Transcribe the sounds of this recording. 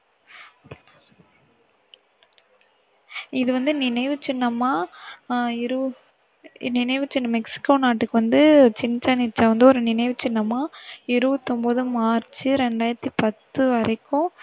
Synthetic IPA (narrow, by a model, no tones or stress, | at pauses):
ɪðɯʋɐnd̪ɯnɪnɐɪʋɯt͡ʃɪnːɐmaː | ɪɾɯ | nɪnɐɪʋɯt͡ʃɪnːɐmɛksɪ̥kːoːnaːʈːɯkːɯʋɐnd̪ɯt͡ʃɪnːɪt͡ʃaːnɪt͡ʃːaːʋɐnd̪ɯɔɾɯnɪnɐɪʋɯt͡ʃːɪnːɐmaːɪɾɯʋɯt̪ːɔmboːðɯmaːɾt͡ʃɯɾɛɳɖaːjɪɾɐt̪ːipɐt̪ːɯʋɐɾɐɪkːʊ̃